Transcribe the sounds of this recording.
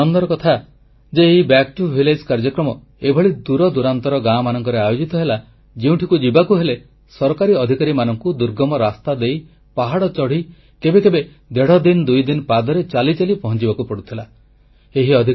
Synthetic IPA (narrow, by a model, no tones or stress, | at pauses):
ɔnd̪ɔɾɔkɔt̪ʰa | d͡ʒeːɦibɛkʈubʱiled͡ʒkaɾd͡ʒɔkɾɔmɔ | ebʱɔɭid̪uɾɔd̪uɾant̪ɔɾɔɡãmanɔŋkɔɾeajod͡ʒit̪ɔɦela | d͡ʒeũʈʰikud͡ʒibakuɦele | sɔɾɔkaɾiɔd̪ʱikaɾimanɔŋkud̪uɾɡɔmɔɾast̪ad̪ej | paɦaɽɔt͡ʃɔɽ̤i | kebekebe | d̪eɽ̤ɔd̪ind̪ujd̪inpad̪ɔɾet͡ʃalit͡ʃalipɔɦɔnt͡ʃibakupɔɽut̪ʰila | eɦiɔd̪ʱik